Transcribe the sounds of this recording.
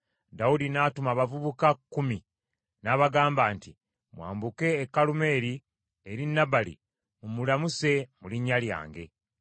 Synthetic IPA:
daudinaːtumaβavuβukakːumi | naːβaɡaːmbaːnti | mwa̰ːmbuke̞ːkːalume̞ːɾi | eɾinːabalḭ | omulamuse̞muliɲːalja̰ːŋɡe̞

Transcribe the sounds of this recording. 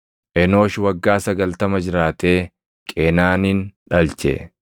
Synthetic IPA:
ʔɛno̞ːʃwɐɡːaːsɐɡɐlt̪ɐmɐd͡ʒɪɾaːt̪e̞ː | kʼeːnaːnɪnᶑɐlt͡ʃɛ̰

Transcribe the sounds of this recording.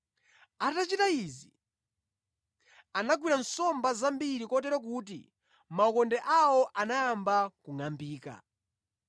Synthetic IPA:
atat͡ʃitaizi | anaɡwiɾansɔmbazambiɾikɔtɛɾɔk̬ut̬ḭ | maɔkɔndɛʔawɔʔanaːmbakuŋambiːka̰

